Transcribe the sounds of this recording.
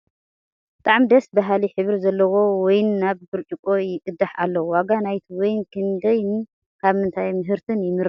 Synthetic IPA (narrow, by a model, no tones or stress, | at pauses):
bɨt̪ʼaʕmd̪ɐsbaɦaliħɨβɾzɐlːɐwo̞wɔjnːaβbɨɾt͡ʃʼikʼo̞jɪʔɨd̪ːaħa̰lːɐwwaɡanajt̪ʰiwɔjnkʰɨnd̪ɐjn | kʰaβmɨnt̪ʰajmɨɦɨɾt̪ʰɨnjɪmɨɾ